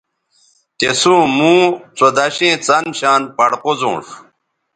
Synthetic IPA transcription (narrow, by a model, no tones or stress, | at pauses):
t̪esũːmũːt͡sod̪aɕẽːt͡sɐnɕaːnpɐɽqozõ̰ːʂ